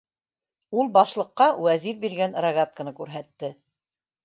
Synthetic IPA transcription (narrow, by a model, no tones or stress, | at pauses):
ulˠbɑʃlˠɤ̆qːɑwæzifbiɾɡænɾɐɡat̪̚kə̆nɤkʉɾɦæt̪ːɘ